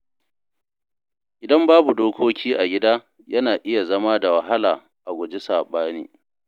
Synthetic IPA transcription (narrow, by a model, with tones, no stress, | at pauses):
ʔɪ˨dɐ˦mbaː˦bu˨doː˦kʷoː˦kʲiː˦ʔa˨ɡʲɪ˦daː˦ | jɐ˦naː˨ʔɪ˦ja˨zɐ˦maː˦da˨wɐ˨ɦa˦laː˨ | ʔa˨ɡʷʊ˨d͡ʒe˦saː˨ɓaː˦nḭː˦